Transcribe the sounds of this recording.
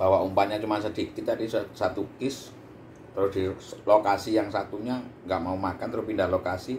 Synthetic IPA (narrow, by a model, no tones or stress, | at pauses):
b̥awaumpaɲat͡ʃumansəd̪̥i̤k̚t̪it̪adissat̪ukɪs | t̪əɾʊsd̪̥ilokasijaŋsat̪uɲaŋɡaʔmaumakant̪əɾʊspindahlokasi